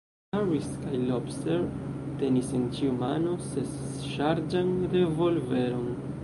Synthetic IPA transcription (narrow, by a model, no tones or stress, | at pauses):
aɹiskajlopseɾte̞nise̞nt͡ʃiumano̞sesʃaɾd͡ʒande̞vo̞lve̞ɾo̞n